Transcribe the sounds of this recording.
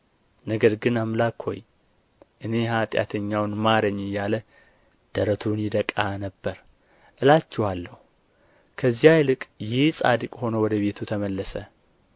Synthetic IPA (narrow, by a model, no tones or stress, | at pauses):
nəɡəɾɡɨnamlakho̞̰j | ʔɨne̞ɦat̪ʼja̰t̪ʰəɲːawnmad̪əɲːɨjalə | d̪̥əɾət̪ʰunjɪd̪əkʼːanəbːəɾ | ʔɨlat͡ʃːɛwalːəhu | kʰəzːijajlɨkʼjɪhsʼa̰d̪ɨkʼho̞nəwɔd̪əβe̞t̪ʰut̪ʰəməlːəsə